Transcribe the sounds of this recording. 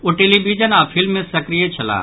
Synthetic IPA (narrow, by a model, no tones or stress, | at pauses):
uʈelibid͡ʒənaːpʰɪlmːẽsɐkɾijet͡ʃʰɐlã̰ː